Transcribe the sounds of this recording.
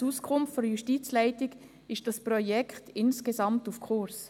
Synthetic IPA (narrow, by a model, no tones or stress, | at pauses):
uskʰʊmftfɔnjuʃtiːt͡slaɪtɪɡ | ɪʃd̥ɑsprɔjɛkʰtɪnskezɑmtufkʰʊɾs